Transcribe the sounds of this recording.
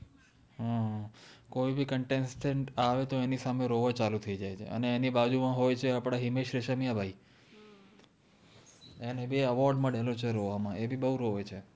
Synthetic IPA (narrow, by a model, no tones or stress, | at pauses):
ɦã | koibʱikəɳʈensʈeɳʈaʋet̪oenisameɾoʋat͡ʃalut̪ʰəid͡ʒajt͡ʃʰḛə̰neːnibad͡ʒumãɦojt͡ʃʰeapɽ̃aɦimeʃɾeʃəmijabʱai | enebeəʋɔɾɖməɽelõt͡ʃʰeɾoʋamãebʱibəɦuɾoʋet͡ʃʰe